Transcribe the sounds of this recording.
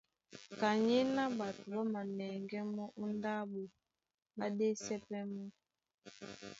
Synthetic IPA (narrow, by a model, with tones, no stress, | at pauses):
ka˨ɲi˦na˦ba˨tu˨lɔ˦ma˨nɛ˨ŋɡɛ˦mɔ˦ʔu˦nda˦bu˨ | ba˦de˦sɛ˦pɛ˦mɔ˦